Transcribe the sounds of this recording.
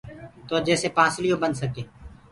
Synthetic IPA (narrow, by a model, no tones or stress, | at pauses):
t̪oːd͡ʒɛːsepãːslijõbənsəkeː